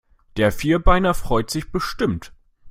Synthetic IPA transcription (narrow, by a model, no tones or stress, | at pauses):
d̥eːɐfiːɐbaɪnɐfʁ̥ɔʏtz̥ɪçb̥əʃtɪmt